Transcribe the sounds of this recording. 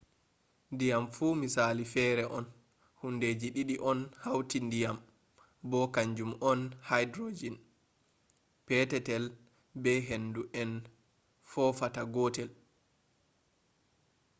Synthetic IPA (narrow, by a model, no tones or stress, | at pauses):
ndijamfuːmisaːlifɛːɾɛʔɔn | hunded͡ʒiɗiɗiʔɔnhawtindijam | bɔkaɲd͡ʒumɔnhajdɾod͡ʒin | pɛtɛtɛl | bɛɦenduʔɛn | fɔfataɡɔːtɛl